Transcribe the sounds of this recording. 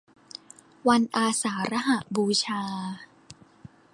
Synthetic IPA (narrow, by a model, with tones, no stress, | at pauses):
wa˧nʔaː˧saː˩˦ɾa˦˥ɦa˨˩t̪̚buː˧t͡ɕʰaː˧